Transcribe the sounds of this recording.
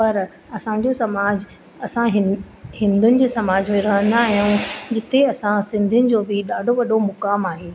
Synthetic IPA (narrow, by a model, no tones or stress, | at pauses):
pɐɾ | ɐsã̆d͡ʑosɐmaːd͡ʑ | ɐsãɦɪ | hɪ̃nd̪ʱʊnɪ̆d͡ʑeːsɐmaːd͡ʑmẽɾɐɦə̃nd̪aːɦijũd͡ʑɪt̪eɐsãsɪ̃nd̪ʱɪnɪ̆d͡ʑoːbɪɗaːɖʱoʋɐɗʱomʊkaːmaːɦeː